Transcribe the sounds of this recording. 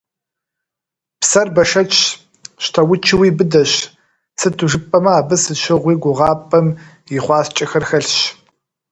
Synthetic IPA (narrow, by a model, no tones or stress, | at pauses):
psɐrbɐʂɐt͡ʃʰ | ɕtʰɐwʊt͡ʃʰɪwiːbɨdɐɕ | sɨtʰuʒɨpʼɐmɐaːbɨsɨʃɪʁʷiːɡʷʊʁɑːpʼɐm | jɪχʷɑːst͡ʃʼɐxɐrxɐɬɕ